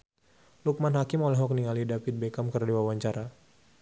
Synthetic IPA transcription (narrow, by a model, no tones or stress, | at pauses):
luk̚manɦakɪmolɛɦɔk̚niŋalidapit̪̚bekamkərdiwawaɲt͡ʃaɾa